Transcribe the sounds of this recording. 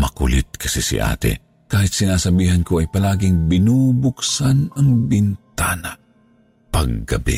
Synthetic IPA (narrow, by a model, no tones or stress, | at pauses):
mɐkʊ̰lɪt̪̚kʰɐsisɪ̰ʔa̰ːt̪ɛ̰ | kaːhɪt̪̚sɪnaːsɐbiːɦankoɐjpɐlaːɡɪŋbɪnuːbʊksanɐŋbɪnt̪aːna | pɐɡ̚ːɐ̰bḭ